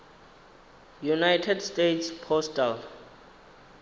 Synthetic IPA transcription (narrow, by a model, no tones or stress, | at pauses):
junajtʰɛdstetʰspʰɔstal